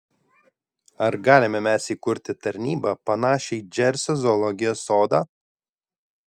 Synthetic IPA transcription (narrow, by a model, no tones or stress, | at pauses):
ɐɾɡɑːlʲɪmʲɛmʲɛsiːkʊɾʲt̪ʲɪt̪ɐɾʲnʲiːbɑpɐnɑːʃʲɛɪd͡ʒʲɛɾʲsʲɛzɔːlˠɔɡʲɪjoːsːoːd̪ɑː